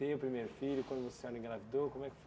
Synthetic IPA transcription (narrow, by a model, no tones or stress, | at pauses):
epɾimeɾʊfiʎʊkwɐ̃nd̪ʊvose̥sɔɾnĩɡlnavid̪okõmwɛkf